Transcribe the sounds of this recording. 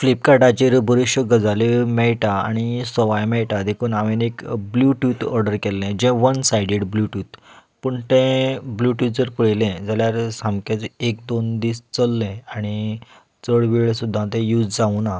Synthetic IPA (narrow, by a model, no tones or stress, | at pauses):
flip̚kaʈat͡ɕeɾbʱəɾiɕjəɡəd͡zalemɛɭʈaa̰ɽ̃isɔʋajmɛɭʈad̪ekʰuːnaʋenekbluʈut̪ɔɾɖəɾkɛlːɛ̃d͡ʑɛ̃ʋənsajɖeɽbluʈuːt̪pəɳt̪ɛ̃bluʈut̪̚d͡zəɾpəɭlɛ̃d͡zaljaɾsãmkẽt͡sek̚d̪ond̪iːst͡səlːɛ̃aɽ̃i | t͡səɭʋiɭsud̪ʱːãt̪ɛ̃juːd͡zd͡zauna